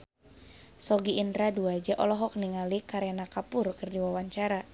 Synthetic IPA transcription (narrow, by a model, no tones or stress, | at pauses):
sɔɡiʔːndɾaduad͡ʒɛʔɔlɔɦɔk̚niŋalikaɾenakapʊrkɨrdiwawaɲt͡ʃaɾa